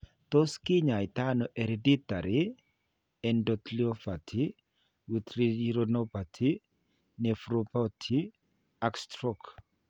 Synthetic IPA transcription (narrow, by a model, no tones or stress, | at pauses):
t̪ɔskɪɲajt̪anɔʔeɾedit̪aɾi | ɛndɔt̪liɔfatʰi | wit̪ɾiiɾɔnɔpatʰi | nɛfɾɔpɔtʰi | akst̪ɾɔk